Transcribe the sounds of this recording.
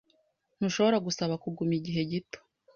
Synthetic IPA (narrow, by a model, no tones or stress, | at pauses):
n̥uʃo̞βoɾaɡusaβakuɡumiɟiɦe̞ɟito̥